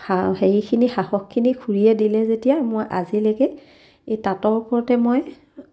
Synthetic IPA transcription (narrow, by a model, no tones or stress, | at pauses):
axeɹikʰinixahɔkʰːinikʰuɹiɛdilɛzetijamojʔazilekɛ | ejtatɔɹkɔɹtɛmoj